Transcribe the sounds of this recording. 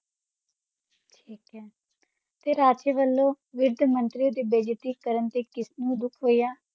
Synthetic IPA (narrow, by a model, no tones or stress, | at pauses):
ʈʰiːkɦɛː | t̪eːɾaːt͡ʃeːʋəlːõː | ʋɪɾd̪ʱmənt̪ɾiːoːd̪eːbeːd͡ʒt̪iːkəɾənt̪eːkɪsnũːd̪ʊkʰɦoːijaː